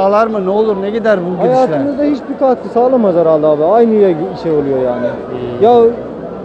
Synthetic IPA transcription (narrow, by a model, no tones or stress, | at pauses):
aːlˠaɾmɯnɛo̞lˠuɾnɛɟid̪æɾbuɡijaːt̪ɯmɯzd̪ahit͡ʃbikat̪kɯsaːlˠamad͡ʒaɾalˠːaːbˠaajnɯyjɛʃejo̞lˠujo̞jaːnɪ | ja